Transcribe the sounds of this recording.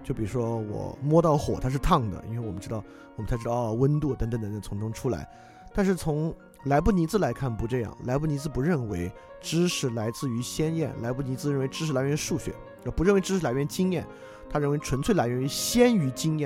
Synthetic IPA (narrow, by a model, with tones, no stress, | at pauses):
t͡ɕjo˥˩ʊpi˨˩ɻu˥ʂwɔ˥wɔ̰˨˩mwɔ˥t̪ɑ˥˩ʊxwɔ̰˨˩t̪ʰa˥ʂ̬ɻ̩˥˧t̪ʰɑ˥˩ŋd̪ə̰˩ḭ˥nwe˥˩ɪwɔ˨˩mə˦nʈ͡ʂɻ̩˥t̪ɑ˥˩ʊ | wɔ˨˩mə˦nt͡sʰa˧˥ʈ͡ʂɻ̩˥ɑ˥˧ʊ˧wə˥nt̪u˥˩t̪ə˧˥ŋt̪ə˧˦nt̪ə˧ŋə˩t͡sʰʊ˧˥ŋʈ͡ʂʊ˥ŋʈ͡ʂʰu˥la̰˧˥ɪ | t̪a˥˧nʂɻ̩˥˩t͡sʰʊ˧˥ŋ | la˧˥ɪpu˥˩ni˧˥t͡sɹ̩˧la˧˥ɪkʰa˥˩npu˧˥ʈ͡ʂɤ˥˧jɑ̰˥˩ŋla˧˥ɪp̬u˥˩ni˧˥d͡zɹ̩˧pu˧˥ɻə˥˩nwe˧˥ɪ | ʈ͡ʂɻ̩˥ʂɻ̩˧˩la˧˥ɪt͡sɹ̩˥˩y˧˥ɕjɛ˥njɛ̰˥˩nla̰˧˥ɪpu˥˩ni˧˥t͡sɹ̩˧ɻə˥˩we˧˥ɪʈ͡ʂɻ̩˥ʂɻ̩˧˩la˧˥ɪɥɛ˧˥nʂu˥˩ɕɥɛ̰˧˥n˧˩pu˧˥ɻə˥˩nwe˧˥ɪʈ͡ʂɻ̩˥ʂɻ̩˧˩la˧˥ɪɥɛ˧˥nt͡ɕi˥ŋjɛ˥˩n | t̪ʰa˥ɻə˥˩nwe˧˥ɪʈ͡ʂʰwə˧˥nt͡sʰwe˥˩la˧˥ɪɥɛ˧˥ny˧˥ɕjɛ˥ny˧˥t͡ɕi˥ŋjɛ˥˩